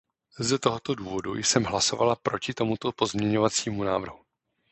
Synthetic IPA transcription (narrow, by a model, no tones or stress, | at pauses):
zɛt̪o̞ɦo̞t̪o̞duːvo̞dṵjsɛmɦlaso̞va̰lapɾo̞cɪt̪o̞mut̪o̞po̞zmɲɛɲo̞vat͡siːmunaːvr̩ɦu